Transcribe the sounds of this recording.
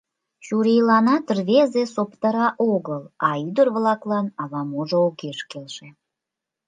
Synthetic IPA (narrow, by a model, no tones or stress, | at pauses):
ɕuɾejlɑnɑt̪rβezesopt̪əɾɑʔoɣəlɑyd̪ərβlɑklɑnɑβɑmoʒoːkeʃkelʃe